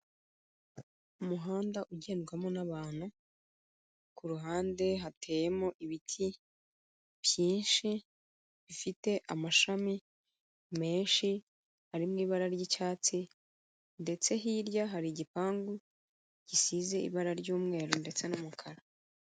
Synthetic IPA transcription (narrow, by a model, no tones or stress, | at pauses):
umuɦaːndaʔuɟe̞ːnɡwamonaβaːn̥hu | kuɾuɦaːnde̞ɦatʰe̞ːje̞moʔiβitʰi | β̥jiːnʃi | βifite̞ʔamaʃami | me̞ːnʃi | haɾimŋiːβaɾaɾɟicaːt͡si | nde̞t͡se̞ɦiɾɟaɦaɾiɟipaːŋɡu | ɟ̥isize̞ḭβaɾaɾɟuːmŋe̞ːɾonde̞t͡se̞numukʰaɾa